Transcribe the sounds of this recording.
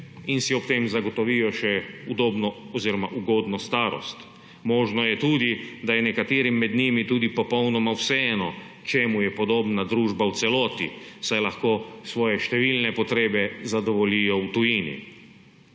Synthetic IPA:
insiɔpt̪emzaɡɔt̪ɔʋiːjɔʃɛud̪oːbnɔ | ɔziɾɔmaʔuɡoːd̪nɔst̪aːɾɔ̰st̪ | mɔːʒnɔjɛt̪uːd̪id̪ajɛnɛkat̪eːɾimːɛd̪nimit̪uːd̪ipɔpɔwnɔmawsɛɛːnɔ | t͡ʃeːmujɛpɔd̪oːbnad̪ɾuːʒbawt̪sɛlɔːt̪ḭsajlaxkoːsʋɔːjɛʃt̪ɛʋiːlnɛpɔt̪ɾeːbɛzad̪ɔʋɔliːjɔut̪ujiːnḭ

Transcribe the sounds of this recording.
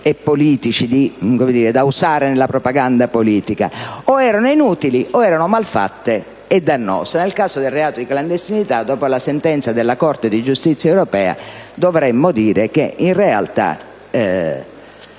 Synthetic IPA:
ɛpːoliːt̪it͡ʃid̪ikomed̪iːɾed̪ausaːɾenelːapɾopaɡand̪apoliːt̪ika̰oɛːɾanoinuːt̪iliʔɔɛːɾanomalfa̰t̪ːe | ed̪ːanːɔ̰ːsanelkaːsod̪elreaːt̪od̪ikland̪est̪init̪ad̪ɔːpolasent̪ɛnt̪sad̪elːakɔrt̪ed̪id͡ʒust̪it̪sːjaɛwɾɔpɛːa̰d̪ovɾɛmːod̪iːɾek̟einrea̰lt̪a̰ | ɛ

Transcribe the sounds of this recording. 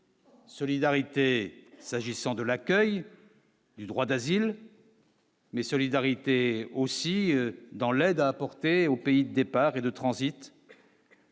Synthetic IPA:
sɔlid̪aʁit̪esaʒisɑ̃d̪əlakʲœj | d̪yd̪ʁwad̪azil | mɛsɔlid̪aʁit̪eosid̪ɑ̃lɛd̪aːpɔʁt̪eopeid̪əd̪epaʁed̪ət̪χɑ̃zit̪

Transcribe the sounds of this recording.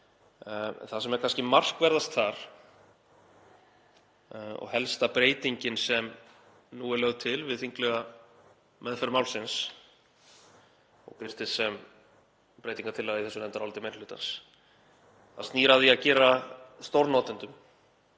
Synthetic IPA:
nθasɛmɛɾkʰanscɪmar̥kvɛɾðast̪θaɾ̥ | ɔ̰ɣhɛlst̪apɾeːjt̪iɲcɪnsɛm | nuɛɾlœɣðt̪ʰɪlvɪðθiŋklœɣa | mɛðfɛɾmaːwlsɪns | ɔ̰ɣpɪr̥t̪ɪsɛm | pɾeːjt̪iŋkḁɾt̪ʰɪlːaðɪiθɛsːʏnɛmnt̪aɾɔlt̪ɪmejnlʏːt̪a̰ns | θast̪niːɾaðiacɛːɾast̪owɾnɔːt̪ɪnt̪ʏm

